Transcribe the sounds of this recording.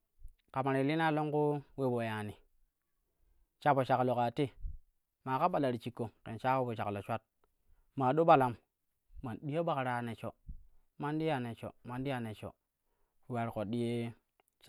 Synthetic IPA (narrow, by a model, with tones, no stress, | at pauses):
ka˨ma˨ɾi˨li˦n˦a˦lo˦ŋku˦we˦bo˨ja˨ni˨ | t͡ʃa˦bo˨t͡ʃa˨klo˨ka˨ti˦ | ma˨ka˦ɓa˨la˨ɾi˨t͡ʃi˨kːo˨kḛ˨nt͡ʃa˦e˦bo˨t͡ʃa˨klo˨t͡ʃʷa˦t̚ | ma˨ɗo˦ɓa˨la˨m | ma˨nɗi˦je˦ba˦kɾa˨ne˨t͡ʃo̰˨ | ma˦ndi˦ja˨ne˨t͡ʃo̰˨ma˨n˦di˦ja˨ne˨t͡ʃo̰˨ | wa˨ɾko˨ɗi˦je˦